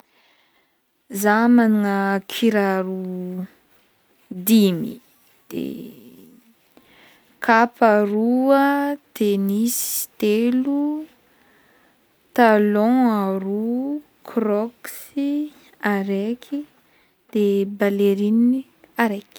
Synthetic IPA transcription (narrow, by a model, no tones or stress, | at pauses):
zamaniŋəkʰiɾaɾu | d̪imḭ | d̪̥ḛ | kʰapaɾuət̪enist̪elu | t̪alɔ̃aɾu | kʰrɔksi | aɾekʰi | d̪̥ebaleɾini | aɾek